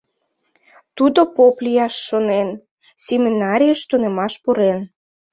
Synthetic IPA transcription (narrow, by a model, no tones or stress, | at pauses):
t̪ud̪opoplʲijɑʃːonen | sʲemʲinɑɾʲijəʃt̪unemɑʃpuɾen